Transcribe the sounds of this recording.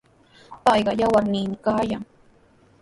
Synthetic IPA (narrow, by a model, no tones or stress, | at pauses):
pɑjɢɑjawaɾnɪːmɪkaːjaŋ